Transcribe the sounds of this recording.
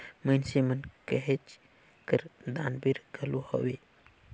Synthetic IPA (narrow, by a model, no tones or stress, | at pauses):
mənsemənkəɦet͡ʃ | kəɾd̪anbiɾɡʱəluhə̰we